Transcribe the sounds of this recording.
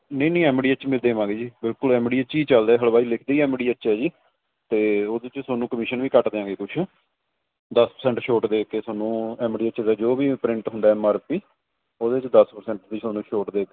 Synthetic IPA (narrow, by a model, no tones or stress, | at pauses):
nəĩːnə̃ːɛːmɖiːət͡ʃmɪld̪eːmãːɡeːd͡ʒiːbɪlkʊlɛːmɖiːət͡ʃiːt͡ʃəld̪aɛːɦəɭbaːilɪkʰd̪eiːɛːmɖiːət͡ʃɛːd͡ʒiː | t̪eːoːd̪et͡ʃsoːnũːkəmɪʃənʋiːkəʈd̪eːãːɡeːkʊt͡ʃʰ | d̪əspəɾsɛːɳʈʃoːʈd̪eːkeːsoːnũːɛːmɖiːət͡ʃːd̪aːd͡ʒoːbiːpɾɪ̃ɳʈɦʊ̃nd̪aːɛːmaːɾpiː | oːd̪eːt͡ʃd̪əspəɾsɛ̃ɳʈd̪it͡ʃsoːnũːʃoːʈd̪eːk